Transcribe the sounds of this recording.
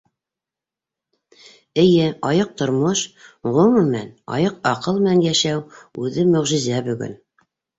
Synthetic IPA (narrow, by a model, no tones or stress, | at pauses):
ɘ̆jɘɑjɤq̚t̪ŏɾmoʃʁɵ̆m̆mænɑ̰jɤqɑqɤlˠmɘnæŋjæʃæwʉðɘmɵ̆ʁʒɘ̆zæbɵ̆ɡɵ̰n